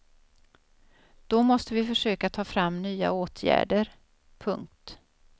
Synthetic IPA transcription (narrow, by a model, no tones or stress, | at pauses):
d̪̥ɔmɔst̪əvɪfœʂøːkat̪ʰɑːfɾamːnyːa̰oːt̪ʰjæ̰ːɖəɾ | pʰɵŋk̚t̪